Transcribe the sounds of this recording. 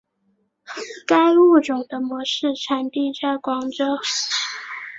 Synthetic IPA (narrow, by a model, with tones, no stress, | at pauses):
ka˥ɪu˥˩ʈ͡ʂʊ˨˩ŋd̪ə˦mwɔ˧˥ʂɻ̩˥˩ʈ͡ʂʰa˨˥nt̪i˥˧ʈ͡ʂa˥˩kwɑ˧˥ŋʈ͡ʂo˥ʊ